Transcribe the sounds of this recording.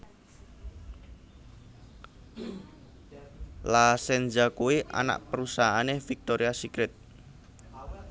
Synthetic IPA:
lasɛnd͡ʒakuiʔa̰na̰ʔpəɾusaɦaanefik̚t̪oɾiasikɾɪt̪̚

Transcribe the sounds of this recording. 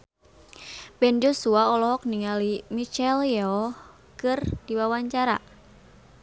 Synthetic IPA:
bɛnd͡ʒosuaɔlɔɦɔk̚niŋalimit͡ʃɛljɛɔh | kɨrd̥iwawaɲt͡ʃaɾa̰

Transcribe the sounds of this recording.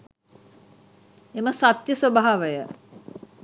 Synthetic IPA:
eməsat̪jəsəbaɦaʋəjə

